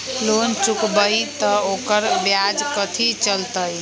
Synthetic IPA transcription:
lont͡ʃukbəjt̪əokəɾbjad͡ʒkət̪ʰit͡ʃəlt̪əj

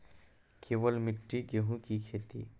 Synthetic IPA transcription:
keːʋəlmɪʈːiɡeɦũkikʰeːt̪ḭ

